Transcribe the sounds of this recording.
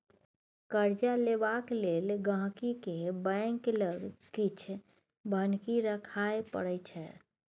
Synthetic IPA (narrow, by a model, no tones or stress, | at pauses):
kəɾd͡ʒalebakleːlɡãɦkikebɛ̃ŋkləɡkit͡ʃʰ | bʱənkiɾəkʰaepə̰ɽət͡ʃʰɛ